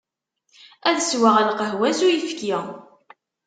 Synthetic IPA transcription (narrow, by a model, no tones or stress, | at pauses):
æðəswaʁælqəɦwæsujifk